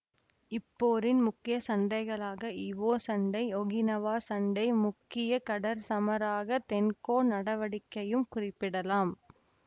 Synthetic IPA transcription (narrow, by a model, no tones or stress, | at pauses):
ɪpːoːɾɪnmʊkːɪjɐsɐɳɖɐɪɣɐɭaːɣɐɪʋoːsɐɳɖɐɪɔɣɪnɐʋaːsɐɳɖɐɪmʊkːɪjɐkɐɽɐɾsɐmɐɾaːɣɐt̪ɛnkoːnɐɽɐʋɐɽɪkːɐjɯmkʊrɪpːɪɽɐlaːm